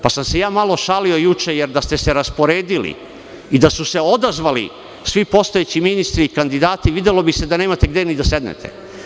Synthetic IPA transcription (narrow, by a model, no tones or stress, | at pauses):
pasamse̞jaːmalo̞ʃalio̞jut͡ʃejeɾd̪ast̪e̞se̞ɾaspo̞ɾeːd̪ilḭ | id̪asuse̞o̞d̪azʋalḭ | sʋipo̞st̪ojeːt͡ɕiminist̪ɾiːkand̪id̪aːt̪iʋid̪elo̞bise̞d̪aneːmat̪e̞ɡd̪e̞nid̪ase̞d̪nḛt̪ʰḛ